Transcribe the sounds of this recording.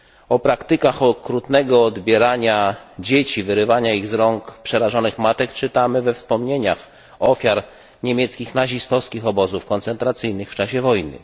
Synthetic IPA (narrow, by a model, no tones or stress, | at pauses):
ɔpɾakt̪ɘkaxɔkɾut̪nɛɡɔːd̪bʲjɛɾaɲad͡ʑet͡ɕivɘɾɘvaɲaiɣzɾɔŋkpʂɛɾaʐɔnɘxmat̪ɛkt͡ʂɘt̪amɘvɛfspɔmɲeɲax | ɔfʲjaɾ | ɲemʲjɛt̪skʲixnaʑist̪ɔfskʲixɔbɔzufkɔnt̪sɛnt̪ɾat̪sɘjnɘxft͡ʂaɕɛvɔjnɘ̰